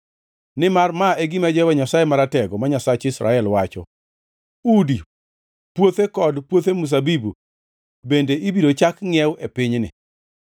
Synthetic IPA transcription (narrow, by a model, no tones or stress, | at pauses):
nɪmarmaeɡɪmɛd͡ʒɛwɛɲasajemaɾatɛɡɔmaɲasat͡ʃɪsɾa̰ɛlwat͡ʃɔ̰ | udi | pwot̪ekɔdpwot̪emus̬abibu | bendeʔibidot͡ʃakŋɛwʔepɪɲnɪ̰